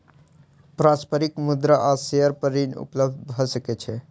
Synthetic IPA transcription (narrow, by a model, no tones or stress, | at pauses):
pɾaspəɾikmud̪ɾaʔaseəɾpəɾinṵpləb̚d̪bʱɔsəkɛt͡ʃʰɛ